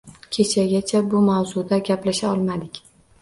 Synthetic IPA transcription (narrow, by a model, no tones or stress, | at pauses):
kʲʰe̞t͡ʃʰaɡʲat͡ʃʰabʊmawzʊd̪aɡʲaplaʃaɒlˠmad̪ɪkʲ